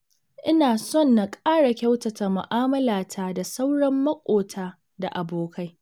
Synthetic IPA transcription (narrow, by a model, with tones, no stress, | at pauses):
ʔɪ˦naː˨sɔ˦˨nːa˨kʼaː˦ɽa˨kʲɐ˦wtɐ˨ta˨mʊ˨ʔaː˦mɐ˦laː˨tʰa˦da˨sa˦wɽɐ˦mːɐ˦kʷʼoː˨tʰaː˦ | da˨ʔa˨boː˨kʰa˦j